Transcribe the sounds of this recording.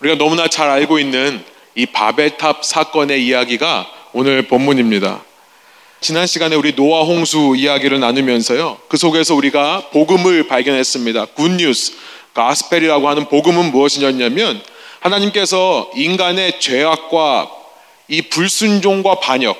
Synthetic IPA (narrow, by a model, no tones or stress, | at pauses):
uɾiɡanʌmunat͡ɕaɾaɭɡoinːɯn | ipa̰be̞ɭtʰap̚sʰak͈ʌne̞ijaɡiɡaonɯɭpʌmːuɲimɲida̰ | t͡ɕinɦanɕʰiɡane̞uɾinoaɦoŋsʰuijaɡiɾɯɭnanɯmjʌnsʰʌjokɯsʰoɡe̞sʰʌuɾiɡapoɡɯmɯɭpaɭɡjʌnɦe̞s͈ɯmɲidakuɲːusʰ | kasʰɯ̥pʰe̞ɾiɾaɡoɦanɯnpoɡɯmɯnmuʌɕʰiɲʌɲamjʌnhanaɲimk͈e̞s̬ʰʌinɡane̞t͡ɕwe̞ɦak̚k͈wa | ipuɭs͈und͡ʑoŋɡwapaɲʌk̚